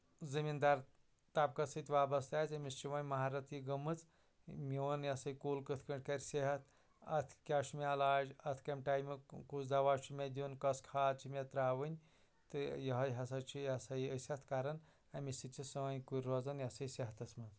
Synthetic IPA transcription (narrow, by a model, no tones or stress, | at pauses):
zɨmind̪aɾ | t̪aːp̚kɐsɨt̪ʲʋaːbɐst̪aːzɐmist͡ʃiʋɐnʲmɐɦaːɾɐt̪ʰjiɡɐmɨt͡s | mʲiʋɐnjɐsɐjkuːlkɨt̪ʰkɐɳʈʲkɐɾʲseɦɐt̪ʰ | ɐ̰t̪ʰkʲaːʃumiɐlaːd͡ʒɐt̪ʰkɐmʲʈaːjmikuzzɐʋaːt͡ʃʰimʲed̪ʲunkɐskʰaːd̪̚t͡ʃʰimʲɐt̪ɾaːʋɨnʲ | t̪ɨjɐɦɐjɦɐsɐt͡ʃʰijɐsɐiəsʲɐt̪ʰkaːɾɐn | ɐmisit͡ʃʰisɨʋɐnʲkuɾʲɾoːzɐnjɐsɐjseɦɐt̪ɐsmɐz